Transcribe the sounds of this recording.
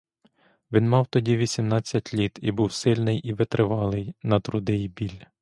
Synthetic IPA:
ʋʲinmɑwt̪ɔdʲiʋʲisʲimnɑt͡sʲːɐtʲlʲit̪ibuwsɪlʲnɪjiʋɪt̪ɾɪʋɑlˠɪjnɐt̪ɾʊd̪ɪjibʲilʲ

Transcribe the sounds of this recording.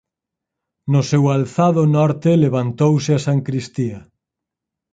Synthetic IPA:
nosewalθaðonɔɾt̪eleβant̪owseasaŋkɾist̪ia

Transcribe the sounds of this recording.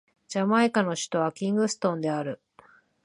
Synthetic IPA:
d͡ʑamaekano̞ɕi̥t̪o̞β̞akʲĩŋɡɯ̟sɨ̥t̪õ̞nd̪e̞aɾɯ̟

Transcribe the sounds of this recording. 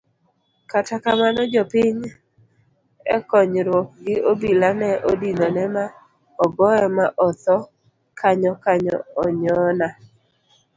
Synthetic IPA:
katakamanɔd͡ʒɔpɪɲ | ɛ̰kɔɲɾwɔk̚ɡɪʔobilanɛʔodinɔnɛma | ɔɡɔɔmaʔɔt̪ɔ | kʰaɲɔkaɲɔ̰ːɲɔna

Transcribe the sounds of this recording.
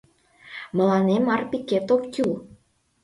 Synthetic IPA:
mə̆lɑnemɑrpiket̪okkʲyl

